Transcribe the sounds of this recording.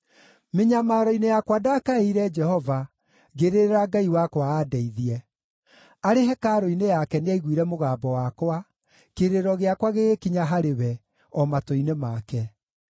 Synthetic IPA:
meɲamaːɾɔinejakwadakaeiɾɛd͡ʒɛhɔva | ɣeɾeɾeɾaɡaiwakwaːdɛiðiɛ | aɾeɦɛkaɾoinejakɛneaiɣwiɾɛmoɣaːbɔwakwa | keɾeɾɔɣeakwaɣeɣekiɲaɦaɾewɛ | ɔmatoinemakɛ

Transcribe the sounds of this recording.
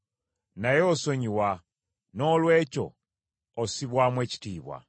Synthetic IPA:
najeoso̞ɲiwa | no̞lwe̞ːco̞̰ː | siβwamwe̞ːci̥tiːβwa̰

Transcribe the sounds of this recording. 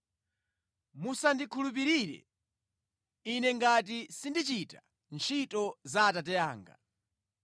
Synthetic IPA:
musandikʰulup̬iɾiɾɛ̰ | inɛŋɡat̬isindit͡ʃita | nt͡ʃʰitɔzaːtat̬ɛjaːŋɡa̰

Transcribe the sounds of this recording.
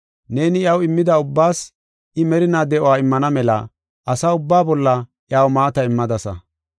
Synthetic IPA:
ne̞ːnɪjɐwɪmːɪd̪ɐʊbːaːs | ɪmɛɾɪnaːd̪ɛʔɔwaːɪmːɐnɐmɛlɐ̰ | ʔɐsaːʊbːaːbɔlːɐʔjaːwmaːt̪ɐɪmːɐd̪ɐsɐ̰

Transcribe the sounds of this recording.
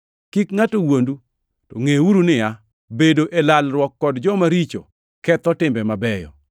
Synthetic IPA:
kikŋatowondu | tɔ̰ŋewuɾunɪja | bedoʔelalɾwɔkːɔdd͡ʒɔmaɾit͡ʃo̰ | kɛt̪ɔtɪmbɛmabɛjɔ̰

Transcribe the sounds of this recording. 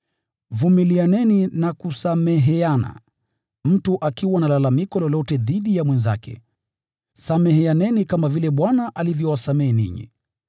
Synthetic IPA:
vumilianɛninakusamɛɦɛana̰ | m̩tuʔakiwanalalamikɔlɔlɔtɛðiɗijamwɛnza̰kʰɛ̰ | samɛɦɛanɛnikamavilɛɓwanaʔalivjɔwasamɛɛnḭɲḭ

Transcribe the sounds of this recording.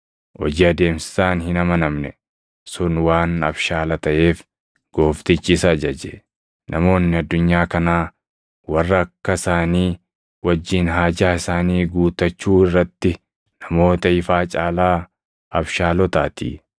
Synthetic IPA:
ʔɔd͡ʒɪɐd̪e̞ːmsɪ̥saːnhɪnɐmɐnɐmnɛ | sʊnwaːnɐbʃaːlɐt̪ɐʔe̞ːf | ɡ̥o̞ːft̪ɪt͡ʃːɪsɐːd͡ʒɐd͡ʒɛ | nʔɐmo̞ːnːɪɐd̪ːʊɲːaːkɐnaː | wɐrːɐːkːɐɪsaːniː | wɐd͡ʒːiːnɦaːd͡ʒaːɪsaːniːɡuːt̪ɐt͡ʃːuːɪrːɐt̪ːɪ | nɐmo̞ːt̪ɐɪfaːt͡ʃʼaːlaː | ɐbʃaːlɔt̪aːt̪ḭː

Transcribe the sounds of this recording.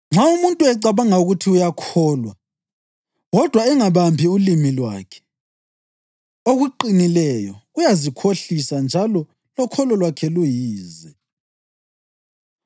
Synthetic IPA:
ŋ͡ǁaumuntʼuɛǀaβaŋauɣutʰiujakʰɔːlwa | ɣɔd̥ʱwaɛŋaβampʰiulimilwa̰ːkʰɛ̥ | oɣuǃinilɛjɔ̰ujazikʰoɬisand͡ʒʱalɔ | lɔkʰɔlɔlwakʰɛlujiːzɛ

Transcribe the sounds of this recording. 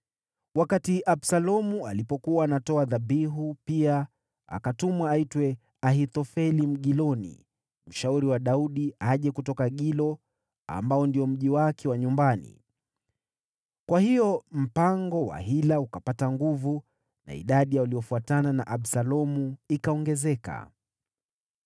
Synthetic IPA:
wakatiʔaɓsalɔmualipɔkuwaːnatɔaðaɓiɦupia | a̰katumwaːitwɛ | aɦit̪ɔfɛlim̩ɠilɔnḭ | m̩ʃauɾiwaɗauɗiaʄɛkutɔkaɠilɔ | a̰mbaɔndiɔm̩ʄiwakʰɛwaɲumbanḭ | kwahijɔm̩paŋɡɔwa̰ɦilaukapataŋɡuvu | na̰ḭɗaɗijaaliɔfuatanana̰ʔaɓsalɔmuikaɔŋɡɛzɛka̰

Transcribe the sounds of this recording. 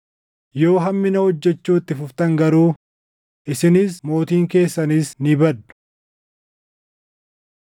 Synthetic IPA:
jo̞ːɦɐmːɪnɐhɔd͡ʒːɛt͡ʃːuːt̪ːɪfʊft̪ɐŋɡɐɾuː | ʔɪsɪnɪsmo̞ːt̪iːŋke̞ːsːɐniːsnɪbɐd̪ːʊ̥

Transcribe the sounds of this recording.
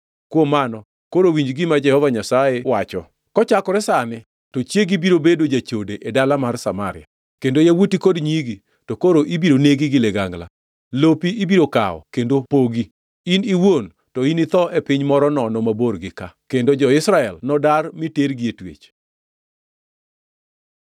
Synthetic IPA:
kwomːanɔ | koɾowiɲd͡ʒɡɪmad͡ʒɛhɔvaɲasajewat͡ʃɔ̰ | kɔt͡ʃakɔɾɛsanɪ | tɔt͡ʃjeɡibiɾobedod͡ʒat͡ʃodeʔedalamarsamaɾɪ̰a | kendojawutikodɲiɡi | tokoɾoʔibiɾoneɡiɡɪleɡaŋla̰ | lopiibiɾoka̰ɔ̰kendopoɡi | iniwon | tɔinit̪ɔʔepɪɲmɔɾɔnɔnɔmaboɾɡɪkakendod͡ʒɔɪsɾaɛlnɔdarmiteɾɡietwḛt͡ʃ

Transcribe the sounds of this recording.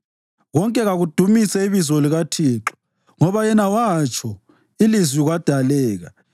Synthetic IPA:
ɣɔŋkʼɛɣaɣud̥ʱumisɛiβizɔliɣatʰiːǁɔ̥ | ŋɔβajɛnawat͡ʃʰʼɔ | ilizwiɣwad̥ʱalɛːɣa

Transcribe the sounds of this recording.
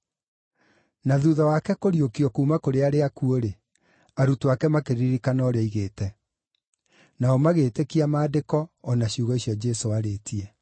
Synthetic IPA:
naðuðawakɛkoɾiokiɔkuːmakoɾeaɾeakuoɾe | aɾutoakɛmakeɾiɾikanɔːɾeaiɣeːtɛ | naɔmaɣeːtekiamaːdekɔːnaɕiuɣɔiɕjɔd͡ʑɛsoaɾetiɛ

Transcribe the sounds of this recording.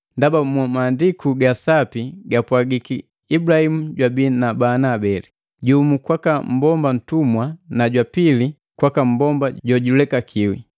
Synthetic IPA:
ndabamwamaːndikuɡasapiɡapwaɡikiː | blahimuɟwabiːnabanaːbɛli | ɟuːmukwakam̩bɔmban̩tumwanaɟwapili | kwakam̩bɔmbaɟɔɟulɛkakʰiwḭ

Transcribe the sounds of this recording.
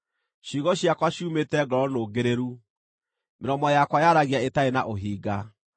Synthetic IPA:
ʃiɣɔɕiakwaɕumetɛɡɔɾɔnoːɡeɾeɾu | meɾɔmɔjakwajaɾaɣeaetaenaʔoɦiːɡa

